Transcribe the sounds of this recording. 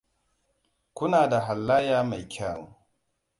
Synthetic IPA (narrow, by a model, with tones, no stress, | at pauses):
kʷʊ˦naː˨da˨ɦa˨lːaː˦jaː˦ma˨jkʲʰa˦˨ŋ˨˦